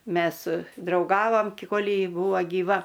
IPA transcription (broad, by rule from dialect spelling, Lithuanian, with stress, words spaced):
ˈmʲɛs drɐʊˈɡɑːʋɐm kʲɪ ˈkoːlʲ ˈjɪ ˈbuːʋɐ ɡʲiːˈʋɐ